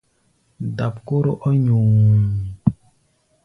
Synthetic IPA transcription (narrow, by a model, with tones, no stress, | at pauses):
da˨pko˦ɾo˦ʔɔ˦ɲu˨